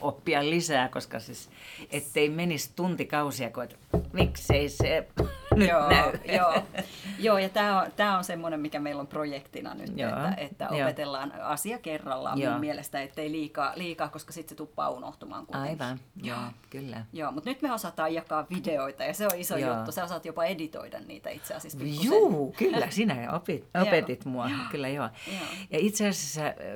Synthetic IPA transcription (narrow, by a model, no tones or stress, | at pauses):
opːiɑllisæːkoskɑsiset̪ːeimenist̪unt̪ikɑusiɑkoet̪ | mikseisenjoːnæyjoːjoːjɑt̪æːont̪æːonsemːonemmikæmeilomprojekt̪inɑ̰ny̰t̪ḛːæʔet̪ːæ̰opet̪elːɑːnɑsiɑkerːɑlːɑ̰ːmmjmumːmielest̪æet̪ːeiliːkɑːliːkɑːkoskɑsit̪set̪upːɑ̰ːuno̰ht̪umɑ̰ːŋkṵnɑeiʋɑnjoːkylːæjoːmut̪nyt̪meosɑt̪ˑɑːjɑkɑːʋʋideoit̪ɑjɑseoisojut̪ːosæosɑt̪jopɑedit̪o̰idɑ̰nnḭːt̪æ̰ḭt̪seɑ̰siɑspijusuːkylːæsinæopit̪opet̪it̪muɑkylːæjoːjoːjɑit̪seɑsisːæ